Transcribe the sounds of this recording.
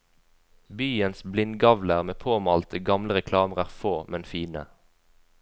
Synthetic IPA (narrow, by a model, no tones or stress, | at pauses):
byːənsblɪnɡɑʋləʁmeːpʰoːmɑːlt̪ʰəɡɑmləʁɛkʰlɑːməʁæːʁfoːmɛnfiːnə̰